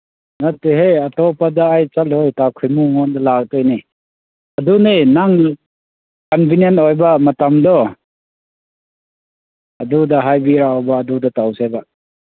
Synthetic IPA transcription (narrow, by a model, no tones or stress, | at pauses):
natːeɦejatɔpadaːjt͡ʃalhojtakʰujmuŋɔndalak̚tɔjni | ɐdunenaŋ | kɔnbinjenojbamɐtamdɔ | ɐdudaɦajbiɾaɔbaːdudatawsajba